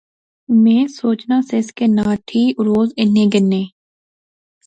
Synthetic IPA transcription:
mẽːsoːt͡ʃnaːseskeːnãːʈʰiːɾoːzɪnːẽːɡɪnːẽː

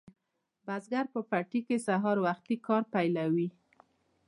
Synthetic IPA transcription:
bazɡaɾpəpaʈikesaɦɑɾwaxt̪ikɑɾpajlawi

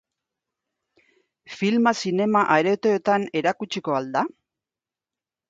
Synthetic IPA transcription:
filmasine̞maʔaɾe̞t̪eːt̪ane̞ɾakut͡ʃiko̞ald̪a

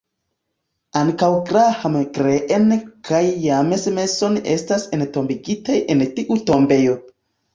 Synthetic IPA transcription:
aŋkawɡɾahamɡɾeʔenkʰajːamesme̞so̞ne̞̰stasento̞mbiɡitajʔentiʔuto̞mbe̞jo

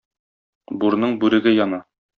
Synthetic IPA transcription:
buɾnɤɴbʉɾɘ̆ɡɘjɒnɑ

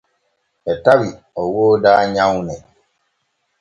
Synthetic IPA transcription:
ɛtawi | ɔwoːdaːɲãwnɛ

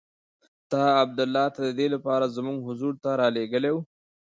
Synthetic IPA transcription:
t̪ɑab̚d̪ʊlːɑt̪ad̪əd̪elapɑɾazmuɡɦʊzuɾt̪aɾɑleɡəlew

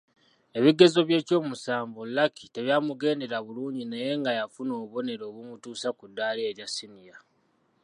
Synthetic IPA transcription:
e̞βiɡe̞zo̞βje̞ːco̞ːmusaːɱvolːakite̞βjaːmuɡe̞ːnde̞ɾaβuluːɲɟinaje̞ŋɡajafuno̞ːβo̞ne̞ɾo̞ːβumutuːsakudːaːlieɾjasinija

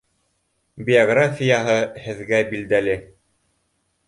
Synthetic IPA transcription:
bʲioɡrafʲijɑɦɤhɘ̆ðɡæbild̪ælɘ

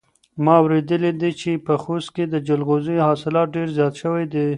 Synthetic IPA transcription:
mɑawɾed̪əlid̪it͡ʃepəxost̪̚ked̪əd͡ʒʊlɣozihɑsɪlɑt̪̚ɖeɾzjɑt̪ʃəwajd̪e

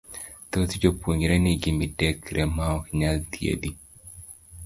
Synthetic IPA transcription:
t̪ot̪d͡ʒopuɲɾeniɡimidekɾʔemaɔkɲalt̪iḛd̪i

